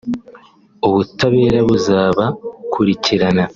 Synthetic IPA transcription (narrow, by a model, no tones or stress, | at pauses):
uβutaβe̞ːɾaβuzaːβakʰuɾiciɾana